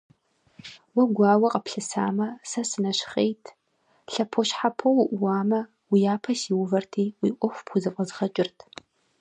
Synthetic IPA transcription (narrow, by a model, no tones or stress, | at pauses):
wɐɡʷɑːwɐqʼɐpɬɨsa̰ːmɐsɐsɨnɐɕχejtʰ | ɬɐpʰoɕħapʰɐwʊʔʷʊwɑːmɐ | wijaːpʰɐsiwʊvɐrtʰiːwiːʔʷʼɔxʷpxʷʊzɐfʼɐzʁɐt͡ʃʼɪrtʰ